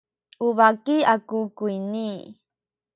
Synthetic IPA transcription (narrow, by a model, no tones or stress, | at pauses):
uvakiakukuini